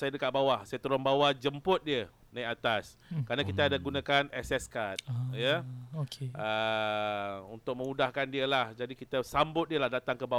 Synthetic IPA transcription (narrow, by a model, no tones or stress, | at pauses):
sajadəkat̪ʔ̪̚bawahsajat̪əɾʊnbawad͡ʒəmpʊt̪̚diə | nãjʔat̪as | kəɾanãkit̪aːdaɡunãkanɛsɛskat̪̚jəokeə | unt̪ʊk̚mə̃mudahkandiəlahd͡ʒadikit̪əsambʊt̪̚diəlahdat̪aŋkəba